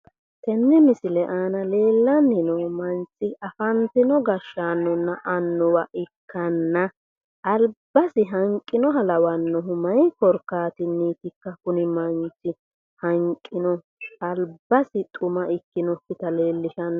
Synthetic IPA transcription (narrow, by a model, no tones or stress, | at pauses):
t̪ʰɛnːɪmɪsɪlɛʔaːnɐle̞ːlːɐnːɪnɔmɐnt͡sːɪɐfɐnt̪ɪnɔɡɐʃːaːnːɔnːɐʔɐnːɔwɐʔɪkʰːɐnːɐ | ʔːlbːɐsɪɦɐŋkʼːɪnɔɦɐlɐwɐnːɔɦʊmɐjkɔɾkːaːt̪ɪnːiːt̪ɪkːɐkʊnɪmɐnt͡sɪ | hɐŋkʼːɪnɔ | ɐlbːɐsɪt̪ʼʊmɐʔɪkːɪnɔkːɪt̪ɐle̞ːlːɪʃɐnː